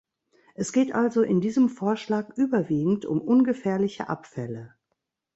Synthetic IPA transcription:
ʔɛsɡ̥eːtʔalzoʔɪndiːzəmfoːɐʃlaːkʔyːbɐviːɡŋ̩tʊ̰mʔʊnɡəfɛːɐlɪçə̰ʔa̰pfɛlə

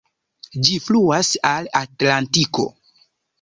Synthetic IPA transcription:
d͡ʒifluasalatlantiko̰

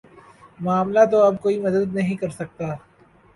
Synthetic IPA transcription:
maːmlat̪oɐb̚koːimɐd̪əd̪nɐɦĩkɐɾsɐk̚t̪aː

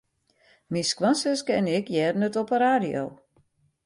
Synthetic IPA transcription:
miskʋansəskɛnɪkjɛːrnətɔpəɾaːdio̰w

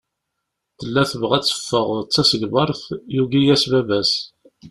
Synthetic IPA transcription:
θəlːæθəvʁæt͡sːə̥fːəʁt͡sːæsəɡvɑɾˤθjuɡijæsvævæs

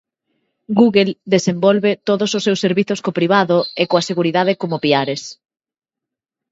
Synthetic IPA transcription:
ɡuɣeld̪esembɔlβet̪oðososːewsːeɾβiθoskopɾiβ̞aðoekoaseɣuɾiðað̞ɪkomopiaɾes

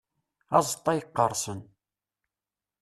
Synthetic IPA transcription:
ɑzˤt̪ˤːɑjəqːəɾˤsˤən

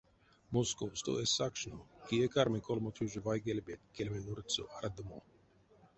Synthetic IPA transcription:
moskowst̪o̰ʔɛsakʃnokiekaɾmikɔlmɔt̪ʰuʒvajɡelʲbet̪̚kɛlʲmɛnuɾt͡s̪oʔaɾd̪mo

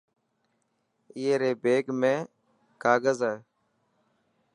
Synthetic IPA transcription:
ɪeːɾeːbeːɡmẽː | kaːɡəzaː

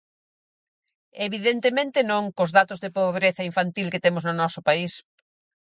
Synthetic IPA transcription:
eβiðent̪emẽnt̪ɪnõŋkʊzðat̪ʊzðepoβɾeθɐiɱfant̪ilket̪emʊznʊnɔsʊpais

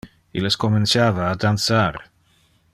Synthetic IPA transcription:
iləskomensjaːvaːd̪ansaːɾ

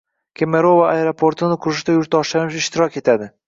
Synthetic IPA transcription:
kʲʰemeɾovaaeɾopʰoɾt̪ʰɪnɪqʰʊɾɪʃd̪ajʊɾt̪ʰɒʃanɪʃɪʃt̪ʰɪɾɒkʲe̞t̪ʰad̪ɪ

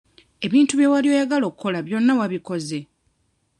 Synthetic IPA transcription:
e̞βiːntuβje̞walio̞ːjaɡalo̞ːkuko̞laβjo̞nːawaβiko̞ze̞

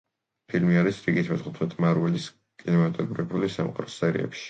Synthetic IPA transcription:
pʰilmiaɾisɾiɡit̪ʰmɛsχut̪ʰwɛt̪ʼʰmaɾwɛlis | kʼinɛmat̪ʼɛbɾɛbulisa̰mqʼa̰ɾɔsɛɾḭɛ̰pʃi̥

